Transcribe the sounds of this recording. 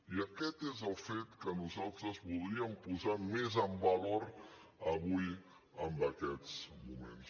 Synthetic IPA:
iəkɛt̪ezəlˠfet̪kənuzalˠt̪ɾəzβulˠd̪ɾiəmpuzamezəmbəloɾ | əβuj | əmbəkɛt͡smumḛns

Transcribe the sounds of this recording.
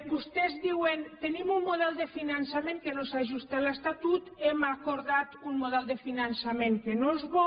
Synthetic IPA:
bust̪ɛzðiwent̪enimumːuðɛlˠd̪efinansamẽŋkenosaʒust̪alest̪at̪ut̪emakoɾðat̪unmuðɛlˠd̪efinansameŋkenozβɔ

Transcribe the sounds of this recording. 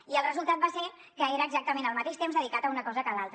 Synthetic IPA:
iəlˠrəzulˠt̪at̪̚base | kəeɾəːɡzak̚t̪əmẽnəlˠmət̪eʃt̪emzðəðikat̪əunəkɔzəkəlalˠt̪ɾə

